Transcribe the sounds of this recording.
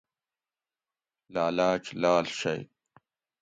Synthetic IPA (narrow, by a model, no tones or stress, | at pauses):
laːlaːʈ͡ʂlaːlɕɐ̰j